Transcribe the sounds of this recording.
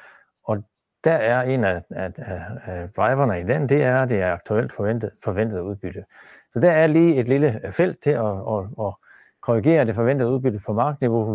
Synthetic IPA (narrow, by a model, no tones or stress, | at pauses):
ɒ̽ | d̥æɐæɐe̝̰ːnæ | d̥ʁɑ̈ɪʋɐnəid̥end̥e̝æɐd̥e̝æɐɑ̈ɡ̥̚t͡sʰuel̰d̥fen̰d̥fɒ̽ʋen̰d̥əð̩ˠuð̞ˠb̥yd̥ə | sɒ̽d̥æɐæɐliːe̝d̥liləfel̰d̥̚t͡sʰe̝ɒɒɒ | kʰɔʁiɡ̥e̝̰ːɐd̥e̝fɒ̽ʋen̰d̥ð̩ˠuðˠb̥yd̥əpʰɒ̽mɑ̈ːɡ̥ðˠniʋo̝